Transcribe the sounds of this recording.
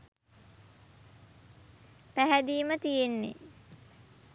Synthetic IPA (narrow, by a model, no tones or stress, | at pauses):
pæɦæd̪iːmət̪ijenːḛ